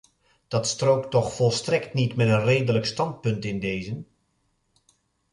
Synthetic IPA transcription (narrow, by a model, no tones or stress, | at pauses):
d̥ɑtstrowktɔχfɔlˠstrɛktnitmɛtənrejdələkstɑnt̚pɵntɪndejzən